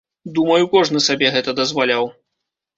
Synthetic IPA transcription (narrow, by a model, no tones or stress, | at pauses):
d̪umɐjukɔʐnɨsabʲɛɣɛt̪ɐd̪ɐzvalʲaw